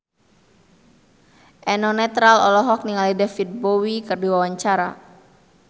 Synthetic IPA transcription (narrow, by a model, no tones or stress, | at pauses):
ʔɛnɔnɛt̪ɾalɔlɔɦɔk̚niŋalidɛfid̪̚bowikərdiwawaɲt͡ʃaɾa̰